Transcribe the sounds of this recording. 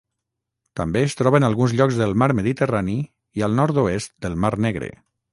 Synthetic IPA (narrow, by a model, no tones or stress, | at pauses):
t̪əmbeːst̪ɾɔβənalˠɣunzʎɔɡzðəlˠmaɾməðit̪ərani | iəlˠnɔɾt̪oest̪̚d̪əlˠmaɾnɛɣɾḛ